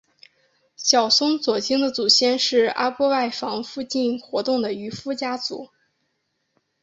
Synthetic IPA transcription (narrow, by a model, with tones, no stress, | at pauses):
ɕjɑ˨˩ʊsʊ˥ŋt͡swɔ˨˩t͡ɕi˥ŋd̪ə˨t͡su˨˩ɕjɛ˥nʂɻ̩˥˩a̰˥pwɔ˥wa˥˩ɪfɑ˧˥ŋfu˥˧t͡ɕi˥˩nxwɔ˧˥t̪ʊ˥˩ŋd̪ə˩y˧˥fu˥t͡ɕja˥t͡sṵ˨˧˩